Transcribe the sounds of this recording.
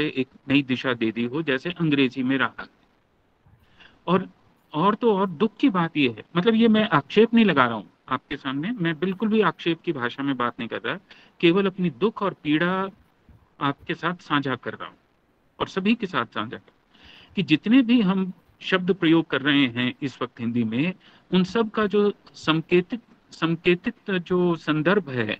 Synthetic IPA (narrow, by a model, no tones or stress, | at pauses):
eʔeːknɐid̪ɪʃad̪eːd̪iɦod͡ʒɛːseʔɐ̃ŋɡɾeːzimẽɾɐɦa̰ɦɛː | ɔːɾ | ɔːɾt̪oɔːɾd̪ʊkʰːkibaːt̪jeɦɛ̰ːmɐt̪ləbjemɛ̃ʔaːkʃeːpnɐɦĩlɐɡaːɾɐɦṵ̃ | aːp̚kesaːmnemɛ̃ːbɪlkʊlbʱiaːkʃeːp̚kibʱaːʃamẽbaːt̪nɐɦĩkɐɾt̪aɦɛ | keːʋəlɐpnid̪ʊkʰɔːɾpiːɽa | aːp̚kesaːt̪ʰsãːd͡ʒʱakɐɾɾa̰ːɦṵ̃ | ɔːɾsɐbʱikesa̰ːt̪ʰsã̰ːd͡ʒʱakɐɾt̪ː | kid͡ʒɪt̪nebʱiɦɐm | ʃɐb̚d̪pɾɐjoːɡ̚kɐɾːɐɦeɦɛ̃ɪsʋɐk̚t̪ɦɪ̃nd̪imẽ | ʊnsɐb̚ʱkad͡ʒoːsɐ̃ŋkeːt̪ɪt̪ | sɐ̃ŋkeːt̪ɪt̪d͡ʒoːsɐ̃nd̪əɾbʱɦɛ̰ː